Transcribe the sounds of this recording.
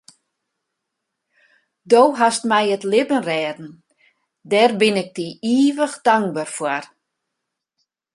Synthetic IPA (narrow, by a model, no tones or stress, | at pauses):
doːɦastmɛjətlɪbənrɛːdn̩ | dɛrbɪnɪk̚diiːʋəxd̥aŋɡbarfwar